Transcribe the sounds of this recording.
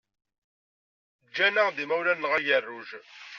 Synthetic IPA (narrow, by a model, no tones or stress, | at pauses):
d͡ʒːænəʁðimæwlænːəʁæʝərːuʒ